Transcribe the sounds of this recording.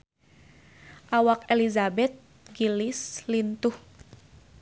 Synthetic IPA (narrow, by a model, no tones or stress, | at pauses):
ʔawakelizabɛt̪̚ | ɡilislint̪uh